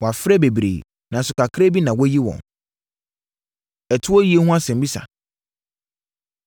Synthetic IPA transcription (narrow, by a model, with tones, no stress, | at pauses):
wɔ˨a˨fɾɛ˦be˨bɾḛː˨ | nã˨sʊ˨kʰa˨kʰɾe˦bi˦nã˨wɔ˦ji˦wɔ̰̃˨n | ɛ˨tʰʊ˦ɔ˦ji˨˦e˦hũ˦a˦sɛ̃˨m˦bi˦sa̰˨